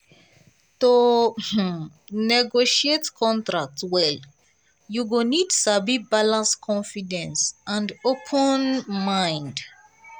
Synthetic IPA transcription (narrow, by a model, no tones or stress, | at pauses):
tu | nɛɡoʃietkʰɔ̃ntɹak̚twɛl | juɡonidsabibalãnskʰɔ̃nfidɛ̃nsãndopʰɔ̃nmãɪ̃nd